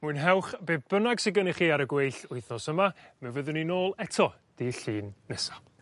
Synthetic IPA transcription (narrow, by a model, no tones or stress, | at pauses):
muɨnɦɛwχb̥eːb̚bənaɡsɪɡənɪχiːaɾəɡwejɬʊɨθɔsəmamɛwvəðɨninoːlˠɛtʰɔ | d̥iɬiːnːɛsḁ